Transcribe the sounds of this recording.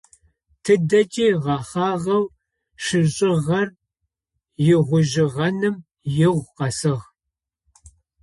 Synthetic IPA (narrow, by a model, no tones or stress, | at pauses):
tʰɨdɐt͡ʃʼiːʁɑχɑːʁɐw | ʃɪɕʼɪʁɐr | jɪʁʷʊʒɪʁɐnɨm | jɪʁʷqɐsɨʁ